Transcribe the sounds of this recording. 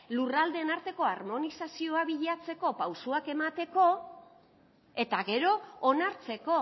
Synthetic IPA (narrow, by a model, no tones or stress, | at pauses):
lurald̪e̞ːnaɾt̪e̞ko̞aɾmo̞nisasio̞aβiʎat͡se̞ko̞pawsuake̞mat̪e̞ko̞ | e̞t̪aɣe̞ɾo̞ːnaɾt͡se̞ko̞